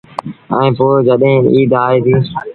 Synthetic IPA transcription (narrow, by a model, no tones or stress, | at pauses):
ɛ̰̃ːpoːd͡ʒəɗɦɪ̃ːiːd̪ʱaːiːt̪ʰiː